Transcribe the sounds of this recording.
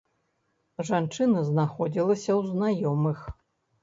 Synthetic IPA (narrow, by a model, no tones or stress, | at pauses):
ʐant͡ʂɨnɐznaxɔd͡zʲilˠɐsʲɐwznajɔmɨx